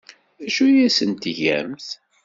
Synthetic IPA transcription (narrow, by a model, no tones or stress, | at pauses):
æʃujæsənt̪ʝæ̰mθ